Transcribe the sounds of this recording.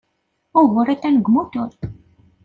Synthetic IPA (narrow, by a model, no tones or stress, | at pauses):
ʊɣʊɾæt̪ːænəɡmut̪ʊɾθ